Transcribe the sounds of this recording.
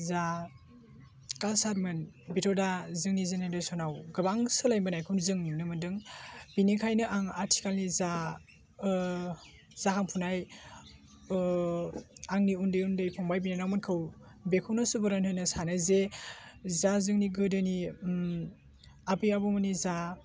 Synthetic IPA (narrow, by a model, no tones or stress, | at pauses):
za | kasaɾmɯn | bitʰɔdazɯŋnizenajdɯsɔnawɡɯbaŋsɯlajmɯnajkʰunzɯŋnimnɯmɯndɯŋbinikʰajnɯʔaŋaɾtʰi̥kalniza | z̥akʰaŋpʰunaj | aŋniundɯjundɯjpʰɔŋbajbinanawmɯnkʰɯw | bekʰɯwnasubɯɾanhɯjnɯsanɯze | zazɯŋniɡɯdɯni | abijabɔmɯniza